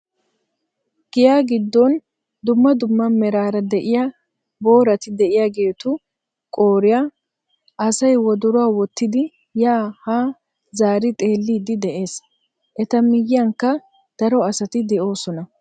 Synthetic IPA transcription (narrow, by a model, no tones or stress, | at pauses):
ɡ̥ɪjaːɡɪd̪ːɔn | d̪ʊmːɐd̪ʊmːɐmɛɾaːɾɐd̪ɛʔɪja | bo̞ːɾɐt̪ɪd̪ɛʔɪjaɡe̞ːt̪ʊ | kʼoːɾɪja | ʔɐsɐjwɔd̪ʊɾʊaːwɔt̪ːɪd̪ɪ | jaːhaː | zaːɾɪt̪ʼe̞ːlːiːd̪ɪd̪ɛʔe̞ːs | ʔɛt̪ɐmɪjːɐŋkːɐ | d̪̥ɐɾɔɐsɐt̪ɪd̪ɛʔo̞ːsɔnɐ